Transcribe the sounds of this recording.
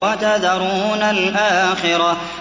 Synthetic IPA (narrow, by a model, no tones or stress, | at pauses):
at̪aðɑɾˤuːnalʔaːxɪɾˤɑ